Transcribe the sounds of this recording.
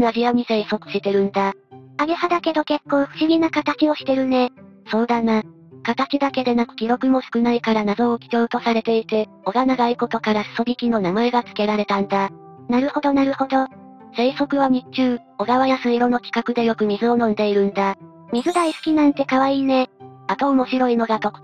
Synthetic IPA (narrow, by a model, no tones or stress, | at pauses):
naʑioɲ̟ise̞iso̞kɯ̟̥ɕit̪e̞ɾɯ̟̃nd̪aaɡehad̪ake̞d̪o̞ke̞kːo̞ːɸɯ̟ɕiɡʲinakat̪at͡ɕio̞ɕi̥t̪e̞ɾɯ̟ne̞ | so̞ːd̪ana | kat̪at͡ɕid̪ake̞d̪e̞nakɯ̟̥kʲiɾo̞kɯ̟mo̞sɨ̥kɯnaikaɾanazo̞ːkʲi̥t̪o̞ːt̪o̞saɾe̞t̪e̞it̪e̞ | o̞ɡanaɡaiko̞t̪o̞kaɾasɨ̥so̞ɡʲikʲino̞namaeɡat͡sɨ̥ke̞ɾaɾe̞t̪ãnd̪a | naɾɯ̟ho̞d̪o̞naɾɯ̟ho̞d̪o̞ | se̞ːso̞kɯ̟βamʲit͡ɕɨː | o̞ɡaβajasɨiɾo̞no̞kʲi̥kakɯ̟d̪e̞jo̞kɯ̟mʲizɨo̞nõ̞nd̪e̞iɾɯ̟̃nd̪a | mʲizɨd̪aisɨ̥kʲinãnt̪e̞kaβaiːne̞at̪o̞ːmo̞ɕiɾo̞ino̞ɡat̪o